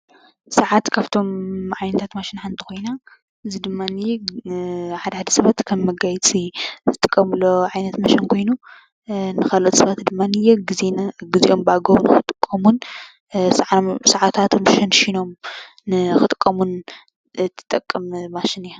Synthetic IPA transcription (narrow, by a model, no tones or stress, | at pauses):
sɐʕat̪kʰaβt̪ʰo̞mʕajnɐt̪ʰat̪maʃinħand̪ʰɨkʰo̞jna | ʔɨzid̪ɨmːanɨjɛ | ħad̪ɐħad̪ɐ̥sɐβat̪kʰɐmːɐɡajt͡sʼizɨt̪ʼɨkʼːɐmɨlːoʕajnɐt̪mɐʃɐnkʰo̞jnu | nɨxɐlot̪sɨβat̪d̪ɨmːanɨjeɡɨzeɡɨziʔo̞mbaɡɐβnɨxɨt̪ʼɨkʼːɐmun | saʕat̪ʰat̪ʰmʃɐnʃino̞mː | ɨxɨt̪ʼɨ̥kʼːɐmun | t̪ʰɨ̥t̪ʼɐkʼːɐmmaʃɪnij